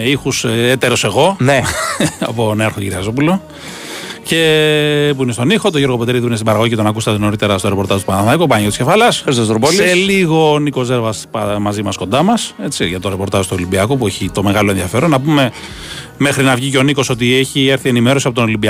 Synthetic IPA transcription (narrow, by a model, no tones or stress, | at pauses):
ixuset̪e̞ɾo̞se̞ɣo̞neɐ̰poneɐɾxociɾiɐzo̞pulo̞ | ce̞p̬uinest̪o̞nixo̞t̪oʝo̞ɾɣo̞pe̞t̪eɾiðipinest̪ibɐɾɐɣoicet̪onɐkust̪eðono̞ɾit̪e̞ɾɐst̪o̞ɾe̞po̞ɾt̪ɐzt̪upɐnɐθɐɐikopɐɐɲot̪scefɐlɐsst̪ost̪ɾopolieliɣo̞niko̞ze̞ɾvɐspɐmɐzimɐsko̞nd̪ɐmɐse̞t͡siʝɐt̪o̞ɾepo̞ɾt̪ɐʒst̪olimbiɐkopueçit̪o̞me̞ɣɐlo̞e̞nðiɐfe̞ɾo̞nːɐpume̞ | mexɾinɐvʝiceo̞niko̞so̞t̪ieçieɾθienime̞ɾo̞siɐpot̪onolimbiɐ